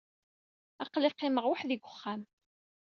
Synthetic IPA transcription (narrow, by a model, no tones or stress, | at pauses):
ɑqlɪqːɪməʁwaħðiɡʷʊχːæm